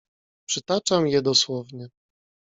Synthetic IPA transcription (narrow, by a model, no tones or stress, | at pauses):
pʂɘt̪at͡ʂamjɛd̪ɔswɔvɲɛ